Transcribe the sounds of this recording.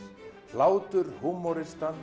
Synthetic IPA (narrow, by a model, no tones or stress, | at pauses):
l̥aːwt̪ʏɾ̥humɔɾɪst̪an